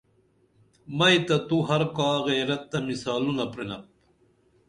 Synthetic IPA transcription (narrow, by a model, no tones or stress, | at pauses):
mɐjt̪ɐt̪uɦɐɾkaːɣeːɾɐt̪ːɐmisaːlunɐpɾenɐp̚